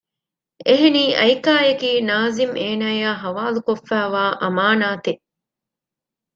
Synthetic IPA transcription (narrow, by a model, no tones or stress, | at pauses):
eɦeniːʔɐjkaːjekiːnaːzimeːnaːjaːɦɐʋaːlukofːæːʋaːʔɐmaːnaːt̪e